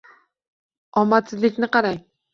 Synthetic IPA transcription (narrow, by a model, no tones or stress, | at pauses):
ɒmːat̪sɪzlɪkʲnɪqɑɾaj